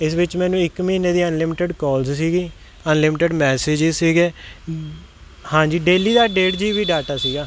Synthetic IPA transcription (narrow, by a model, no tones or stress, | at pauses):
ɪsʋɪt͡ʃmɛ̃ːnũːɪkmiːneːd̪iːənlɪmʈəɖkɔːlzsiːɡiː | ənlɪmɪʈəɖmɛːseːd͡ʒɪzsiːɡeː | hãːd͡ʒiːɖeːliːd̪aːɖeːʈd͡ʒiːʋiːɖaːʈaːsiːɡaː